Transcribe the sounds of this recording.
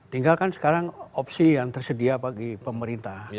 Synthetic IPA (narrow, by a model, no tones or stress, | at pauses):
t̪iŋɡalkansə̥kaɾaŋɔpsijaŋt̪ərsədiapaɡipəməɾint̪ah